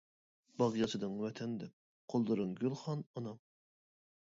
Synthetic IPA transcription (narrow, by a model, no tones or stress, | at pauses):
b̥ɑʁijɑsʰɨd̪ɨŋwɛt̪ʰɛnd̪ɛp̚ | qʰolˠd̪ɨɾɨnɡʲylˠχɑnɑnɑm